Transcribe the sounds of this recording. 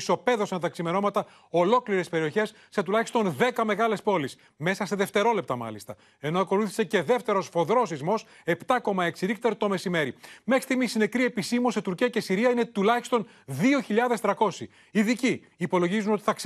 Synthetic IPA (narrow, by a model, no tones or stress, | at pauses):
so̞pe̞ðo̞sɐnt̪ɐksime̞no̞mɐt̪ɐ | o̞lo̞kliɾespe̞ɾio̞çe̞sːe̞t̪ulɐçist̪o̞nðe̞kɐme̞ɣɐle̞spo̞lis | me̞sɐseðe̞ft̪e̞ɾo̞le̞pt̪ɐmɐ̰list̪ɐ | e̞no̞ɐko̞luθi̥sece̞ðe̞ft̪e̞ɾo̞sfo̞ðɾo̞sizmo̞s | e̞pt̪ɐko̞mɐe̞ksiixt̪eɾt̪o̞me̞sime̞ɾimexɾi̥st̪iɣmisine̞kɾie̞pisimuose̞t̪uɾciɐce̞siɾiɐinet̪ulɐçi̥st̪o̞n | ðio̞çiʎɐðe̞st̪ɾɐko̞si | iðiciː | po̞lo̞ʝizuno̞t̪i̥θɐk